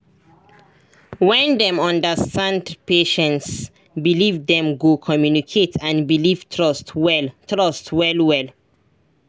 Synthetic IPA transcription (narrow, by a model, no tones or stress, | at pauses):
wɛ̃ndɛ̃mɔ̃ndəstãndpeʃə̃nts | bilivdɛ̃mɡokʰɔmjunikʰetʰãnbiliv̥tʰɹɔstwɛltɹɔstwɛlwɛl